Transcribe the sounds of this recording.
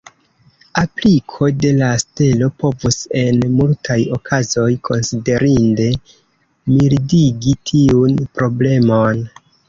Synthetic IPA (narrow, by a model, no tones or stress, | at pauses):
aplikʰo̞de̞laste̞lo̞po̞vuse̞nmultʰajo̞kʰazo̞jkʰo̞nside̞ɾinde̞ | milidiɡitʰiunpɾo̞ble̞mo̞n